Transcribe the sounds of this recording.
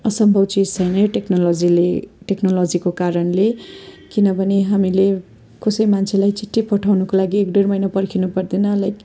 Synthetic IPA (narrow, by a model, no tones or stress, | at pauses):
ʌsʌmbʱʌbt͡sid͡zt͡sʰʌjnʌjoʈeknolod͡zileʈeknolod͡zikokaɾʌnle | kinʌbʱʌneɦamile | kʌsʌjmant͡sʰelajt͡siʈʰːipʌʈʰawnʌkolaɡiekɖermʌjnapʌrkʰinupʌrd̪inʌːlaj